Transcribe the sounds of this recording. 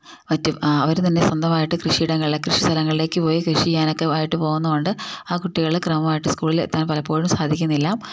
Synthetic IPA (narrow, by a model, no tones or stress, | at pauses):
ʋɐtːuɐʋɐɾut̪ɐnːe̞sɐnd̪ʱɐmaːjiʈːɨkrɨʂiːɽɐŋːɐɭilekrɨʂi̥st̪ʰɐlɐŋːɐɭile̞ːkːɨpo̞ːjikrɨʂikʲːaːno̞kːe̞aːjiʈːɨpo̞ːɣunːɐko̞ɳɖɨaːkuʈːiɣɐɭiekrɐmɐmaːjiʈːɨskuːɭilḛt̪ːaːnpɐlɐpːoːɻumsaːd̪ʱikʲːunːilːaːm